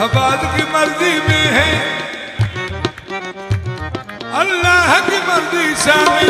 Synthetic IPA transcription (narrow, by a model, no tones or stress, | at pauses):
ɐbaːd̪kimɐɾzimẽɦɛ̃ː | ɐlːaːɦkimɐɾd̪isaːm